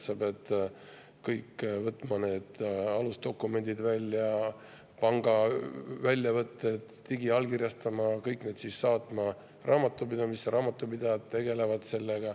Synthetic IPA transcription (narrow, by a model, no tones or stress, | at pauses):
sɑːb̥jet̪ː | kɤjkːvɤt̪ːˑmɑne̞ːd̪̥ɑlust̪o̞kːˑume̞nʲd̪̥id̪vælʲːjɑ | pɑŋɡ̥ɑvælʲjɑvɤt̪ˑːet̪t̪iɡiɑlkirʲjɑst̪ɑmɑkɤjkne̞ːd̪̥sisːɑːt̪ˑmɑ | rʔɑːmɑt̪ːˑupid̪ɑmisːeɾʔɑːmɑt̪ːˑupid̪̥ɑjɑt̪t̪ːe̞ɡ̥e̞le̞vɑd̪̥se̞lːeɡ̥ɑ